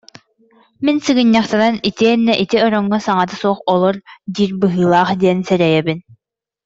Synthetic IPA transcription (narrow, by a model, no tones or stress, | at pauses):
minsɯɡɯɲːaχt̪ananit̪iɛnːɛʔit̪iɔɾɔŋːɔsaŋat̪ɯsuɔχɔlˠɔɾd̪iːɾbɯɦɯːlˠaːχd̪iɛnsɛɾɛjɛbin